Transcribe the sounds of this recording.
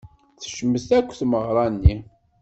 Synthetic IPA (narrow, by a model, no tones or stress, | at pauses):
θʃəmːəst̪ækʷːθməʁɾˤɑnːi